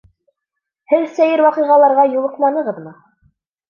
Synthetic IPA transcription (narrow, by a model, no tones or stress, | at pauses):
hɘðsæjɘɾwɑqɤ̆ʁɑlˠɑɾʁɑjulˠɤ̆qlˠɑnɤ̆ʁɤðmɤ